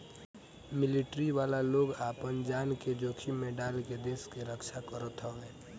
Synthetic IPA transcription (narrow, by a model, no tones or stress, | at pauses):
mɪlɪʈɾiʋaːlaloːɡaːpənd͡ʒaːnked͡ʒoːkʰimẽɖaːlked̪eːskeɾəkʃʰakəɾət̪ɦɔɛ